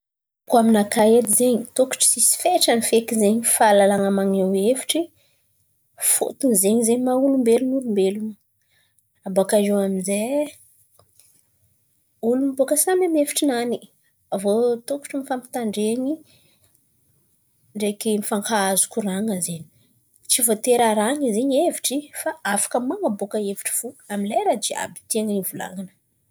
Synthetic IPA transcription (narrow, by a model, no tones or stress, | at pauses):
kaminakaed̪izeɲit̪oku̥ʈ͡ʂi̥sisi̥feʈ͡ʂanifekizeɲifalalaŋamaŋewefi̥ʈ͡ʂi | fo̰t̪unzeɲizeɲimaulumbelunulumbelun | abakaewaminze | ulumibokəsamamefi̥ʈ͡ʂinani | avot̪oku̥ʈ͡ʂimifampi̥t̪aɳɖ͡ʐeɲi | ɳɖ͡ʐekimifaŋkaazu̥kʲuraŋəzeɲi̥ | t͡sivot̪eɾaɾaŋizeɲeviʈ͡ʂifaafḁkəmaŋabokəeviʈ͡ʂi̥v̥uaminlajɾad͡ʒia̰bi̥t̪eŋənivula̰ŋanə̥